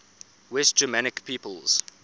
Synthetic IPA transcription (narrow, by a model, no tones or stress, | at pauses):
wɛst̚d͡ʒ̥əmanɪkpʰiːpəlz̥